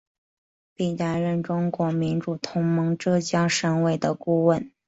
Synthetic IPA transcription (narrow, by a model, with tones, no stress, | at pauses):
pi˥˩na˧˥nɻə˥˩nʈ͡ʂʊ˥ŋkwɔ˧˥mi˧˥nʈ͡ʂu˨˩t̪ʰʊ˧˥ŋmɤ˧˥ŋʈ͡ʂɤ˥t͡ɕjɑ˥ŋʂə˧˥nwe˥˩ɪd̪ə˩ku˥˧wə˥˩n